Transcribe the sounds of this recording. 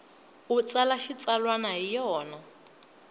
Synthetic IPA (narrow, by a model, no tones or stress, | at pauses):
ut͡sʼalaʃit͡salwanaɦijɔːna